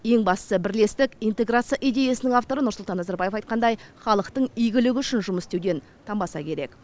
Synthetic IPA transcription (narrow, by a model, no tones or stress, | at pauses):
je̞ŋbɑssəbɪɾle̞st̪ɪkijnt̪e̞ɡɾat̪sɨijaʔijd̪ʲe̞jasɪnɪŋaft̪o̞ɾənʊɾsʊlˠt̪ɑnːɑzaɾbɑje̞fɑjt̪̚qɑnd̪ɑjχɑlˠəqt̪əɴijɡʲɪlɪɡʲʏʃɪnʒʊməst̪ewd̪en | t̪ʰɑmbɑsɑ̰kʲʰe̞ɾe̞k